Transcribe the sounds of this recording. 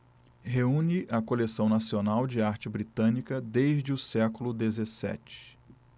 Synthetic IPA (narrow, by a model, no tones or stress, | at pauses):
ɦeũniʔɐkolesɐ̃w̃nasionawd͡ʒɪaɾt͡ʃɪbɾit̪ɐ̃nikɐd̪ejʒd͡ʒɪʊsɛkʊlʊd̪ezesɛ̰t͡ʃɪ̥